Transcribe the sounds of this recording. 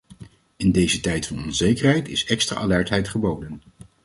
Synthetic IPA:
ɪndejzətɛjtfɑnɔnzejkərɦɛjtɪsɛkstra̰ʔalɛɹtɦɛjtχəbowdən

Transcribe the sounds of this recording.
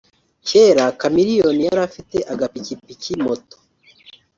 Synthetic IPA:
ceːɾakamiɾijo̞nijaɾafite̞ʔaɡapicipicimoto̥

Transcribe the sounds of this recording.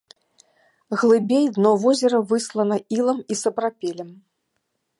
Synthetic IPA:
ɣlˠɨbʲejd̪nɔvɔzʲɛɾɐvɨslˠɐnɐilˠɐmisɐpɾapʲɛlʲɛm

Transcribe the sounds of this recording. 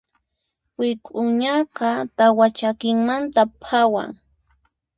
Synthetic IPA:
wɪkʼʊɲɑqɑt̪awat͡ʃakɪŋmant̪apʰawa̰ŋ

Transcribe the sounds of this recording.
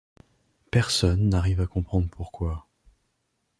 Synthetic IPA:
pɛʁsɔnːaʁivakɔ̃pχɑ̃d̪ʁpuʁkwa

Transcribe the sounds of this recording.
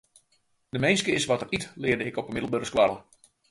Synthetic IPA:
dəmejnskəɪsʋɔtəritlɪədəɪkɔpəmɪdəl̩ˠbəɾəskwarlə

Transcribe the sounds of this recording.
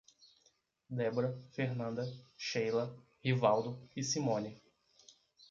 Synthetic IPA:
d̪ɛboɾɐfeɾnɐ̃nd̪ɐʃejlɐ | hivawd̪ʊisimõni

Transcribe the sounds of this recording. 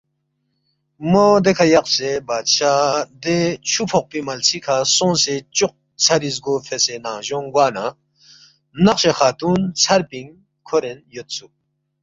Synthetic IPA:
mod̪ekʰɐjɐqsebaːd̪ɕaːd̪et͡ɕʰupʰoq̚pimɐlt͡sʰikʰasõːnset͡ɕuq̚ | t͡sʰɐɾizɡofʰesenãːʑoŋɡwaːna | nɐqɕexaːt̪unt͡sʰɐɾpiŋ | kʰoɾenjot̪̚su

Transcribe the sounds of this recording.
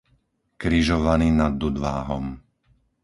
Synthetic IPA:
kɾiʒɔʋaniːnad̪ːud̪ʋaːɦɔm

